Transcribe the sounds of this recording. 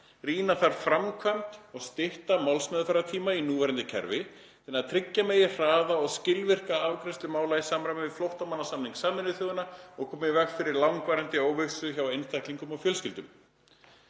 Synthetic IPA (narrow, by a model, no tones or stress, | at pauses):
riːnaθaɾ̥fɾamkʰvœnt̪ɔɣst̪ɪht̪amawlsmɛðfaɾat̪ʰiːmainuːvɛɾant̪ɪcʰɛ̰ɾvɪ | t̪ɛnːaðt̪ʰɾɪcːameːjɪr̥aːðaɔɣscɪlvɪr̥kaawkɾɛnst̪ʏmaːwlajɪsaːmɾamɪvɪflowht̪amanːasamniŋksaːmɪnɪθjɔɣʏnaɔɣkʰɔːmɪvɛkfɪɾɪɾlawŋkvaːɾɛnt̪ɪoːwvʏksʏçawejnst̪akliŋkʏmawfjœːlscɪlt̪ʏm